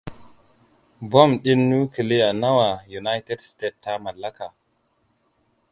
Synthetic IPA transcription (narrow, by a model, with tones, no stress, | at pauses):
bo˦˨mɗi˦nːu˦kə˨le˦ja˨na˦wa˨ju˨na˦jte˦dste˦˨tːa˦ma˨lːa˦ka˨